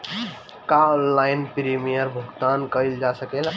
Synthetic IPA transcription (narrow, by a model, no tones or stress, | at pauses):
kaɔnːajnpɾimijəɾbʱəɡt̪ankəɪld͡ʒasəkɛla